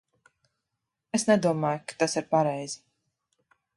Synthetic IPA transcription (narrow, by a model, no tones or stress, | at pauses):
esnɛd̪uɔmaːjukḁt̪asiɾpaɾɛjz̥i